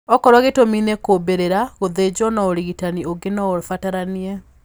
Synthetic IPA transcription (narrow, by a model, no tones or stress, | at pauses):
ɔkɔɾwaɣetominekobeɾeɾaɣoðed͡ʑɔnaoɾiɣitanioɡenɔofataɾaniɛ